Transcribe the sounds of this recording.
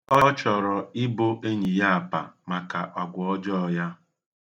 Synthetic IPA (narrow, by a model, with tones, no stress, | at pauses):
ɔ˦t͡ʃɔ˨ɾɔ˨ɪ˦bo˦ʔe˦ɲi˨ja˦a˨pa̰˨ma˨ka˨ʔɔ˨ɡʷɔ˨ɔ˦d͡ʒɔ˦ɔ˨ja˦